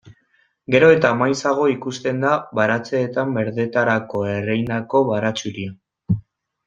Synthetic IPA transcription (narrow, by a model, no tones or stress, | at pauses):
ɡe̞ɾo̞e̞t̪amajsaɣ̞o̞ikust̪e̞nd̪aβaɾat͡se̞ːt̪ambe̞ɾðe̞t̪aɾako̞e̞rejnako̞βaɾat͡suɾia